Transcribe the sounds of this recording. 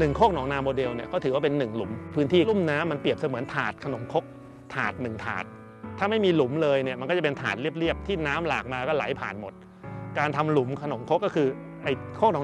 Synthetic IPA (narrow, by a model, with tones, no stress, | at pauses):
nɯ˨˩ŋkʰoː˥˩k̚nɔː˩˦ŋnaː˧mːoː˧de˧wni˥˩ɐkʰɔː˥˩t̪ʰɯː˩˦waː˥˩pe˧nːɯ˨˩ŋlu˩˦mpʰɯː˦˥nt̪ʰiː˥˩lu˥˩mnaː˦˥mːa˧npi˨˩əp̚sa˧mɯ˩˦ənt̪ʰaː˨˩t̪̚kʰa˧no˩˦mkʰo˦˥k̚ | t̪ʰaː˨˩t̪̚nɯ˨˩ŋt̪ʰa̰ː˨˩t̪̚ʰː | aː˥˩ma˥˩jmiː˧lu˩˦mlɤː˧jni˥˩ma˧nkɔː˥˩a˨˩pe˧nt̪ʰa̰ː˨˩t̪̚li˥˩əp̚li˥˩əp̚t̪ʰiː˥˩naː˦˥mlaː˨˩k̚maː˧kɔː˥˩la̰˩˦jpʰa̰ː˨˩nmo˨˩t̪̚ | kaː˧nt̪ʰa˧mlu˨˩˦mkʰa˧no˨˩˦mkʰo˦˥kːɔː˥˩kʰɯː˧ʔa˧˩jkʰoː˥˩k̚nɔː˩˦